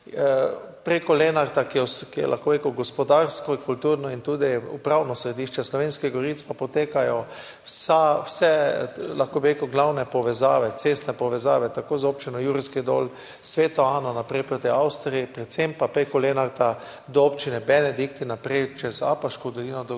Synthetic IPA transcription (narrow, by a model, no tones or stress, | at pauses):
pɾekɔlenaɾt̪akiɛskijɛ̰lʔa̰xkobɾekəwɡɔspɔd̪aɾskɔikult̪uːɾnɔint̪uːd̪iupɾawnɔsɾɛd̪iːʃt͡ʃɛslɔʋenskiɣɡɔɾit̪spapɔt̪eːkajɔ | sawsɛlaxkoːbiɾeːkəwɡlawnɛpɔʋɛzaːʋɛt̪sest̪nɛpɔʋɛzaːʋɛt̪akoːzoːp̚t͡ʃinɔjuːɾiskid̪o̰l | sʋeːt̪ɔaːnɔnapɾɛjpɾot̪ɛjawst̪ɾiɛpɾɛt̪sempapɾekɔleːnaɾt̪a | d̪ɔopt͡ʃinɛbɛnɛd̪ikt̪inːapɾɛjt͡ʃɛza̰paʃkod̪ɔlinɔd̪ɔ